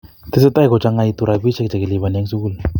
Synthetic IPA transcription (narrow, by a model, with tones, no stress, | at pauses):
t̪ɪ˦sɪ˦t̪a˦i˦kɔ˨t͡ʃa˦ŋa˧˨i˧t̪u˨ɾa˨bi˦t͡ʃɛ˦k̚t͡ʃa˨ki˨li˨βa˨nja˦ŋsu˦ku˦la